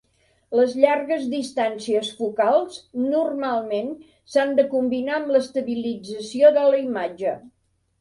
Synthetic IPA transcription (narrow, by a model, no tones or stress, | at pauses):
ləzʎarɣəzðist̪ansiəsfukalˠsnurmalˠmen | sand̪əkumbinaəmləst̪əβilid͡zəsioðələimad͡ʒə